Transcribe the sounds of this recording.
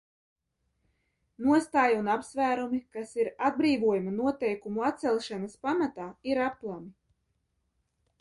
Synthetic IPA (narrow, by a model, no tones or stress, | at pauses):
nuɔst̪aːjunapsvæːɾumikasiɾad̪̚bɾiːvuɔjumanuɔt̪ɛjkumuat̪t̪sɛlˠʃanaspamat̪aːiɾaplˠami